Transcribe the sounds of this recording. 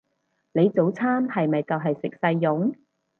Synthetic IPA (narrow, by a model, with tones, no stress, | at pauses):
le˨˧jt͡so˨˥wt͡sʰaː˥mhɐ˨jmɐ˨jt͡sɐ˨wɦɐ˨jsɪ˨k̚sɐ˧jːʊ˨˥ŋ